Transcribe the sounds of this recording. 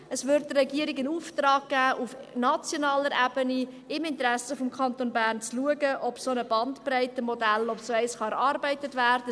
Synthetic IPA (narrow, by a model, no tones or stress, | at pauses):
əsvʏrt̚dərɛɡiəɾɪkənuːftrɑːk̚ɡ̥æːʔufnɑt͡sjonɑːləɾɛb̥əni | ɪmɪntɾæsəfɔmkʰχɑntonbæːrnt͡sluəɡəʔɔpsonəbɑntpræɪtəmɔdælɔpsoɛɪsχɑæɾɑrbɛɪtətvæːrdə